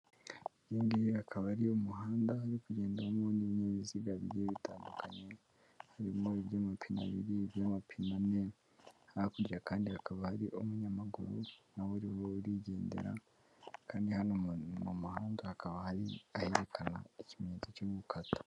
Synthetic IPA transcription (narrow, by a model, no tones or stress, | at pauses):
jeːnɡiakʰaβaɾiomuhaːndahaɾikuɟe̞ːndeɾamoniβɲeːβiziɡaβiβjeβitaːndukʰaɲe̞ | haɾimoiβjaːmapʰina̰βḭɾiβjaːmapʰinane̞ | hahakuɾɟakaːndihakaβahaɾiʔomuɲamaɡṵɾunawuɾiwouɾiɟe̞ːndḛɾa̰ | kaːndihanonomuhaːndahakaβahaɾiaheɾekʰana̰icimɲeːzocoːβukʰato̥